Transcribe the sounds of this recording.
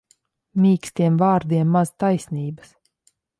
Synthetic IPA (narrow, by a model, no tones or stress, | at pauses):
mʲiːkst̪ʲiɛmvaːɾd̪iɛmːazt̪ajsʲniːbɨ̥s